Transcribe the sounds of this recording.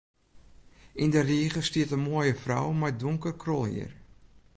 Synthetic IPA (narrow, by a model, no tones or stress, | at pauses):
indəriəɣəstiətənmoəjəfrɔ̰wmajduŋkərkrɔlˠhḭər